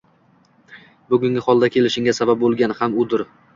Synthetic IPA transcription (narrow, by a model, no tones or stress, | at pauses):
bʊɡʲʊŋɡʲɪhɒlˠd̪akʲʰe̞lɪʃɪŋʲasabap̚bolˠɡʲanɪhamʊd̪ɪɾ